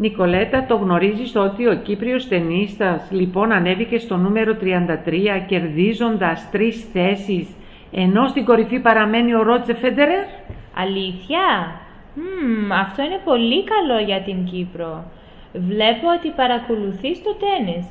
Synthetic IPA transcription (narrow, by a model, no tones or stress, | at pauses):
niko̞le̞t̪ɐt̪o̞ɣno̞ɾiziso̞t̪io̞cipɾio̞st̪e̞nist̪ɐzlipo̞nɐne̞vice̞st̪o̞nume̞ɾo̞t̪ɾiɐnd̪ɐt̪ɾiɐce̞ɾðizo̞nd̪ɐst̪ɾisθe̞sis | e̞no̞st̪iŋɡo̞ɾifipɐɾɐme̞nio̞ɾo̞d͡zefe̞d̪e̞ɾeɾɐ̰liθçɐ | ɐft̪o̞ine̞po̞likɐlo̞ʝɐt̪iɲɟipɾo̞ | vle̞poot̪ipɐɾɐko̞luθist̪o̞t̪e̞nis